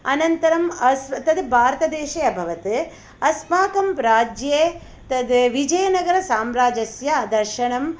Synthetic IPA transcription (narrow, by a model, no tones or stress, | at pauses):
ɐnɐnt̪ɐɾɐmɐsʋɐt̪ɐd̪bʱaːɾt̪ɐd̪eːʃɐjɐbʱɐʋɐt̪ɨ | ɐsmaːkɐmpɾaːd͡ʒjeː | t̪ɐd̪ʋid͡ʒɐjɐnɐɡɐɾɐsaːmɾaːd͡ʒɐsjɐd̪ɐɾʃɐɳɐm